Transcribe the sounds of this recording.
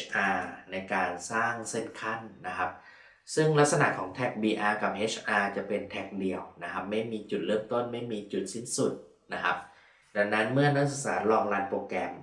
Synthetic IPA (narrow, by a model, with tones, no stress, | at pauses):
ʔaː˧na˧jkaː˧nsaː˥˩ŋse˥˩nkʰa˥˩nːa˦˥kʰa˦˥p̚ | sɯ˥˩ŋla˦˥t̪̚sa˧na̰˨˩ʔkʰɔː˩˦ŋt̪ʰɛ˨˩k̚biː˧ʔaː˧ka˨˩p̚ʔeː˦˥t͡ɕʰʔaː˧t͡ɕa˨˩pe˧nt̪ʰɛ˦˩k̚di˧əwna˦˥kʰa˦˥p̚ma˥˩jmiː˧t͡ɕu˨˩ɾɤː˥˩mt̪o˥˩nma˥˩jmiː˧t͡ɕu˨˩t̪̚si˥˩nsu˨˩t̪̚ | na˦˥kʰa˦˥p̚ | da˧ŋna˦˥nmɯ˥˩ɐna˦˥k̚sa˨˧sa̰ː˩˦t̪̚ɾɔː˧ŋlaː˦˥npoː˨˧˨kɛ˧m